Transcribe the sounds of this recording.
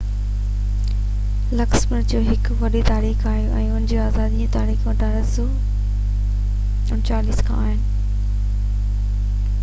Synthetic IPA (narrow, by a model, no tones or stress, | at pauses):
lɐksmʊɾd͡ʑoːɦɪkʋɐɗet̪aːɾiːxaːɦijoʔɛ̃ːʊnɪd͡ʑoaːzaːd̪iũt̪aːɾiːxʋɐʈʰaɾɐso | ʊt͡ɕaːliːskʰã̰ːaːɦɪnɪ̆